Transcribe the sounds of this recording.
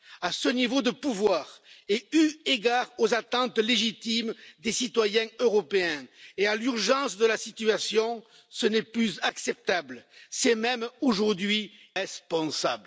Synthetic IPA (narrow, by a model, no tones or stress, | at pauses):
asənivod̪əpuvwaʁeyeɡaʁozat̪ɑ̃t̪leʒit̪imd̪esit̪wajɛ̃øʁɔpeɛ̃ealyʁʒɑ̃sd̪əlasit̪yasjɔ̃ | sənɛplyzaksɛp̚t̪abləsɛmɛmoʒuʁd̪ɥiʁɛspɔ̃sabl